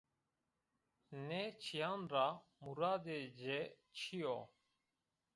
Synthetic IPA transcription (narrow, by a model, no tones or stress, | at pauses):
neːt͡ʃʰijaːnɾaːmuɾaːd̪eːd͡ʒeː | t͡ʃʰijoː